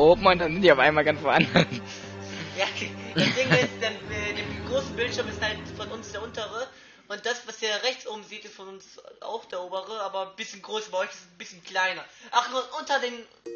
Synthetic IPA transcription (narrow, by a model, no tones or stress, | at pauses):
ʔopmandanzɪntviɐaʊfʔa̰ɪnmaːlɡansfoʔana | jaːd̥ad̥ɪŋɪstd̥eːɐɛːdeːmɡʁoːsn̩bɪltʃɪɐmɪstd̥aɪnfɔnʊnsd̥eːɐʔʊntəʁə | ʔʊnt̚d̥asv̥asd̥iːɐʁɛçt͡sʔoːbm̩ziːtɪstfɔnʊnsʔa̰ʊxd̥eːɐʔoːbəʁəaːbɐnbɪsçənɡʁoːsaːbɐɔʏçɪsn̩bɪsçənkl̥aɪnɐʔaʊxʔʊntɐdeːn